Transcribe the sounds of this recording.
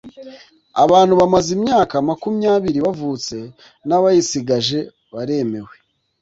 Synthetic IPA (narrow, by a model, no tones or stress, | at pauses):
a̰βaːn̥huβamazimɲaːkamakumɲaːβiɾiβavuːt͡se̞ | naβajisiɡaʒe̞ | βaɾe̞me̞we̞